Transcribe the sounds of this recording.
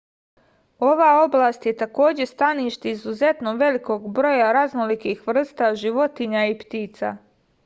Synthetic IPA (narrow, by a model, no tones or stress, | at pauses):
o̞ʋaːo̞blaːst̪je̞t̪ako̞ːd͡ʑe̞st̪aniːʃt̪eizuze̞t̪noʋe̞liko̞ːɡbɾo̞jaɾaznolikiːxʋr̩st̪aʒiʋo̞t̪iɲaipt̪iːt̪sa̰ː